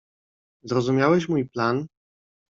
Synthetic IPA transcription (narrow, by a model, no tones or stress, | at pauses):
zɾɔzumʲjawɛɕmujplan